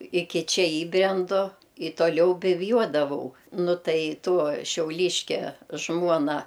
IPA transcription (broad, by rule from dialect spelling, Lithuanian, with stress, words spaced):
ˈɪkʲɪ ˈt͡ʃʲɛ ˈiːbʲrʲɛndʊ ɪ tuɔˈlʲɛʊ bʲɪwˈjuɔdɐʋɐʊ ˈnʊ ˈtɐɪ ˈtuɔ ʃʲɛʊˈlʲiːʃʲkʲɛ ˈʒmuɔnɐ